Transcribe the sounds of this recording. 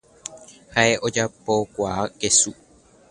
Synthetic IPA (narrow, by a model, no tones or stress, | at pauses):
haeʔo̞d͡ʒapo̞kʷaakesu